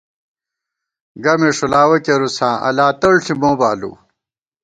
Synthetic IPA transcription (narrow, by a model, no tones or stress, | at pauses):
ɡɐmeʂulaːwɐkeɾusãːʔɐ̰laːt̪ɐɭɬʰimõːbaːlṵ